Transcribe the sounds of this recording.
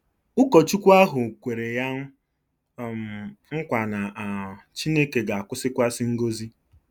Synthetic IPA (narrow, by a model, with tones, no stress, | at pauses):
ʊ˦kɔ˨t͡ʃu˦kʷa˦ɦʊ˨kʷe˨ɾe˨ja˦˨ | ŋ̩˦kʷa˨na˨a˨t͡ʃi˦ne˦ke˨ɡa˨a˨kʷʊ˦sɪ˦kʷa˦sɪ˦ŋ̩˦ɡo˦zi˦